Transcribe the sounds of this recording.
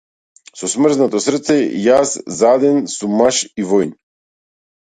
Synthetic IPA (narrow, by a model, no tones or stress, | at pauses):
sɔsmrznat̪ɔsrt̪sɛjaszad̪ɛnsumaʃivɔjn